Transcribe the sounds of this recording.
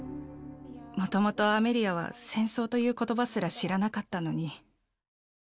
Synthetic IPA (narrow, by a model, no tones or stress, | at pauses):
mo̞t̪o̞mo̞t̪o̞ame̞ɾʲiaβ̞a̰sẽ̞ɰ̃so̞ːt̪o̞jɯ̟ːko̞t̪o̞basɨɾaɕiɾanakat̪ːano̞ɲ̟i